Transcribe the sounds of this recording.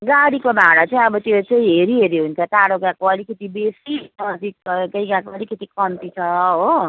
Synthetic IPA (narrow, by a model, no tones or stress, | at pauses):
ɡaɽikobaɽat͡sʌj̃ʌbʌt̪jet͡sʌj̃ɦeɾiɦeɾiɦunt͡sʰʌt̪aɽoɡãkoʌlikʌt̪ibesitʌt̪ikɡʌjɡãkoʌlikʌt̪ikʌnt̪it͡sʰʌɦo